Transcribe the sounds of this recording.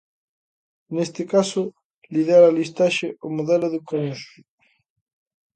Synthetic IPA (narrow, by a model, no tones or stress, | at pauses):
nest̪ekaso | liðaɾalist̪aʃeomoðeloðukanesu